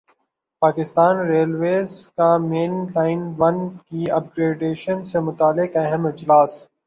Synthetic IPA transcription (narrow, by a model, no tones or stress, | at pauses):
paːkɪst̪aːnɾeːlʋeːzkameːnlaːɪnʋɐnkiɐp̚ɡɾeːɖeːʃənsemʊt̪aːlɪkɐɦəmɪd͡ʒlaːs